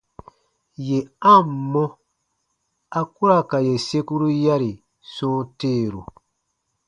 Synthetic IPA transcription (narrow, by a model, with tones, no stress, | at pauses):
je˨ã˦˨mː˨ɔ̃˦ | a˦ku˦ɾa˦˨ka˨je˨se˦ku˦ɾu˦ja˦ɾi˨ | sɔ̃ː˦teː˦˨ɾu˨